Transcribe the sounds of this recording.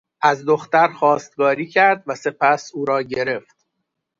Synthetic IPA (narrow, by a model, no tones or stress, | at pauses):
ʔæzd̪o̞xt̪æɾxɒːst̪̚ɡɒːɾiːcʰæɾd̪væse̞pʰæsuːɾɒːɟe̞ɾe̞ft̪̚